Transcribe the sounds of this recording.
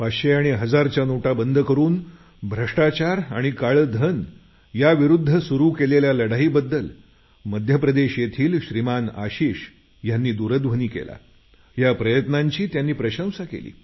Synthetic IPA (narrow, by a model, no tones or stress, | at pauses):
paɕeaɽ̃iɦəd͡zaɾt͡ɕjanoʈabənd̪ʱəkəɾuːn | bʱɾəʂʈat͡ɕaɾaɽ̃ikaɭd̪ʱən | jaʋiɾud̪ʱːəsuɾuːkeleljaləɽaɦiːbəd̪ːəl | məd̪ʱjəpɾəd̪eɕjet̪ʰiːlɕɾimana̰ɕiːɕ | janːiːd̪uɾəd̪ʋ̤ʱəniːkḛla̰ | japɾəjət̪naɲt͡ɕiːt̪janːiːpɾəɕə̃w̃sakḛlḭː